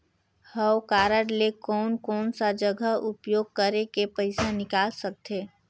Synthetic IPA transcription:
həwkaːɾəɽlekɔːnkɔːnsad͡ʒəɡʱəɦʊpjoːɡ̚kəɾekepəɪsanɪkaːlsək̚t̪eː

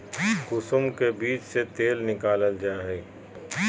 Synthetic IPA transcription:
kʊsʊmkebiːt͡ʃset̪eːlnɪkaːləld͡ʒaːɦeː

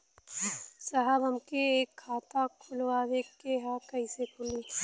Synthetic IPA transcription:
saɦəbɐmkeeːkʰːaːt̪akʰʊlʋaːʋekeɦãkɐisekʰʊli

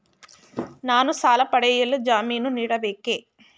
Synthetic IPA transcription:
naːnusaːlɐpɐɽɛjɐlːud͡ʒaːmiːnuniːɽɐbeːkeː

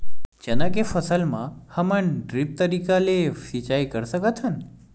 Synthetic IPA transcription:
d͡ʒənãkefəsəlmã̰həməɳɖɾip̚t̪əɾikalefit͡ʃajkəɾsəkət̪ʰɦən

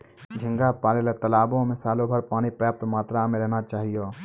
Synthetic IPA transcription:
d͡ʒʱɪ̃ŋɡapaːɾelet̪ɐlaːbõmẽsaːlõbʱɐɾpaːñipɾəjaːp̚t̪maːt̪ɾamẽɾɛɦnat͡ʃaːɦijoː

